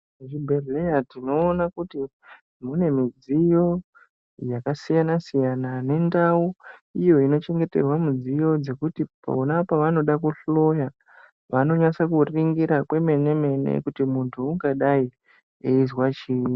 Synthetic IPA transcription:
ʐibʱereatino̞ːnakuti | mune̞mid͡zijo̞ | jakasijanasijanane̞ndauijo̞ino̞t͡ʃe̞ŋɡe̞te̞̰rwamud͡zijo̞d͡ze̞kutipa̰onapaʋano̞ɗakuɬo̞ja | ʋano̞ɲasakuriŋɡiɾakwe̞me̞ne̞me̞ne̞̰kutimuntʰuːŋɡaɗai | eizwat͡ʃiːni

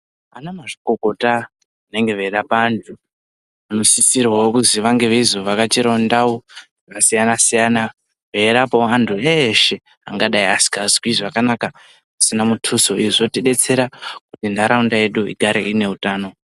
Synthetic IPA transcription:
anamaʐikokota | ine̞ŋɡe̞ʋeɾapaːntʰu | ano̞sisirwaokuziʋaŋɡe̞ʋeizoʋakat͡ʃiɾaundawo | kasijanasijana | ʋeɾapoantʰueʃe̞ | a̰ŋɡaɗaiasi̥kazkwiʐakanaka | asinamutʰuso̞iʐotiɗe̞t͡se̞ɾakutindaɾaundaje̞ɗuḭɡʱaɾḛine̞utaːno̞

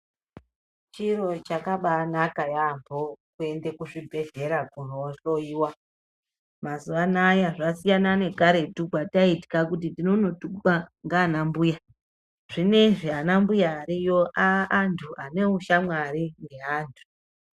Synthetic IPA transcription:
t͡ʃiɾo̞t͡ʃakaɓanakajambokue̞ndekuʂibʱe̞ʒe̞ɾakunoʃoiwa | mazuanajaʐasijanane̞kaɾe̞tukwataiti̥kakutidino̞no̞tuɓaŋɡaːnambuja | ʐ̥ine̞ʐeanambujaːɾijo̞ʔaʔantʰuʔane̞uʃamwaɾiŋɡe̞ɦaːntʰu̥

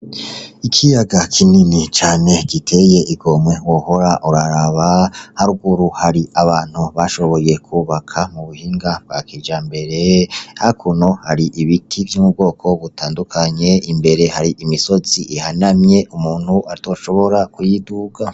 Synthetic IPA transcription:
ikʰijaɡakʰininit͡ʃaːne̞ɡitʰe̞je̞ʔiɡo̞mwe̞woho̞ɾaʔuɾaɾaβahaɾuɡuɾuhaɾiʔaβaːn̥huβaʃo̞βo̞je̞kʰuβakʰamuβuhiːŋɡabɡakid͡ʒaːmbe̞ɾe̞haikʰuno̞haɾiʔiβitʰivjomub̚ɡo̞ːkʰo̞βutaːndukʰaɲe̞imbe̞ɾe̞haɾiʔimiso̞ziʔihanamɲe̞ʔumuːn̥huʔaɾto̞ːʃo̞βo̞ɾakujiduɡa

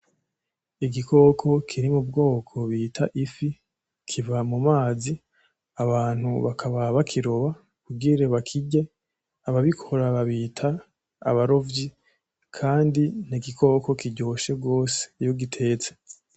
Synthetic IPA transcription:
iɡiko̞ːkʰo̞kʰiɾimub̚ɡo̞ːkʰo̞βiːtʰa̰ʔifi | kʰivamumaːzi | aβaːn̥huβakʰaβaβakʰiɾoβa | kuɡiɾeβakʰiɟe | aβaβikʰo̞ɾaβaβiːtʰa̰ː | βaɾo̞vɟi | kʰaːndin̥iɡikʰo̞ko̞kiɟo̞ʃe̞ɡo̞ːse̥ijo̞ɡitʰe̞ːt͡se̥

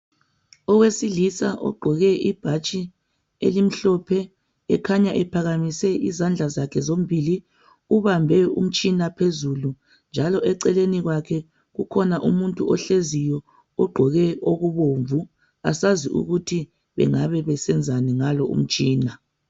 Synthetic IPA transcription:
ɔɣwesilisaʔɔ̰ɡ͡ǃʱɔɣɛib̥ʱat͡ʃʼi | ḛlim̩ɬɔpʰɛ | ɛkʰaɲaʔɛpʰaɣamisɛizand͡ɮʱazakʰɛzom̩bʱili | uβambʱɛṵm̩t͡ʃʼinapʰezulu | nd͡ʒʱalɔɛǀɛleniɣwakʰɛ | ɣukʰɔnaʔṵmuntʼuɔɬezijɔ | ɔɡ͡ǃʱɔɣɛoɣuβoɱvu | a̰saziʔṵɣutʰi | βɛ̰ŋaβɛβɛsɛnd͡zʱanɛŋalɔṵm̩t͡ʃʼiːna

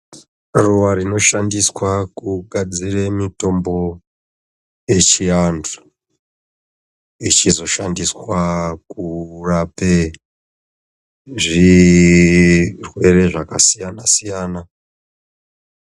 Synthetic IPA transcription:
ruʋaɾino̞ʃandiswakuɡʱad͡ziremito̞mbo̞ | je̞t͡ʃiandu̥ | it͡ʃizo̞ʃandiswakurape | ʐi | rwe̞ɾe̞ʐakasijanasijaːna

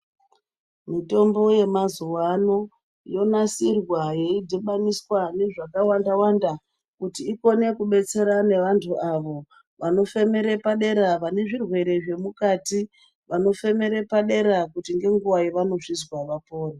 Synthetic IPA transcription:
mito̞mbo̞je̞mazuwano̞ | jo̞nasirwaje̞idʱiɓaniswane̞ʐakawandawanda | kutiːko̞ne̞kuɓe̞t͡se̞ɾane̞ʋantʰuʔaʋo̞ | ʋano̞fe̞me̞ɾe̞paɗe̞ɾaʋane̞ʐirwe̞ɾe̞ʐe̞mukati | ʋano̞fe̞me̞ɾe̞paɗe̞ɾakutiŋɡe̞ŋɡuʋajeʋano̞ʐizwaʋapo̞ːre

